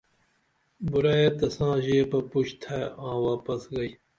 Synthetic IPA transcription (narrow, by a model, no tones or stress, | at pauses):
buɾaːjet̪ɐsãːʑeːpɐpuɕt̪ʰaãːwaːpɐsɡɐi